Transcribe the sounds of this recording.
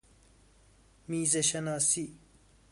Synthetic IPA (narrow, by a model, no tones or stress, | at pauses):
miːzɐʃɐnaːsi